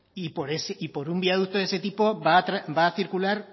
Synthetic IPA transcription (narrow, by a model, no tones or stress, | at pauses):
ipoɾeseipo̞ɾumbiaðut̪oese̞t̪ipo̞aɾabaːθiɾkulaɾ